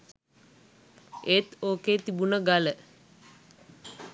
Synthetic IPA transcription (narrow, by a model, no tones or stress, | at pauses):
et̪oːkeːt̪ibunəɡalə